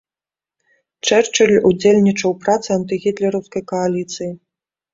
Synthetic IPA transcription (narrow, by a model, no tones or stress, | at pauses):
t͡ʂɛrt͡ʂɐlʲud͡zʲelʲnʲit͡ʂɐwpɾat̪sɨant̪ɨɣʲit̪lʲɛɾɐwskɐjkɐalʲit̪sɨji